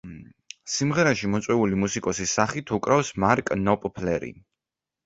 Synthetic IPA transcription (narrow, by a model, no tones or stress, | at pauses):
simʁɛɾaʃimɔt̪sʼwɛulimusikʼɔsisːaχit̪ʰukʼɾafsmaɾkʼnɔpʼpʰlɛɾḭ